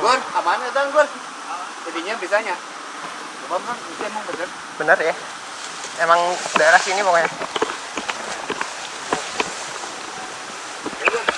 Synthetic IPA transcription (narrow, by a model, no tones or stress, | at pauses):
ɡanamanat̪anɡan | d͡ʒadiɲabisaɲa | t͡ʃubamanisaemaŋbənər | bənərja | emaŋdaeɾasinipɔkoɲa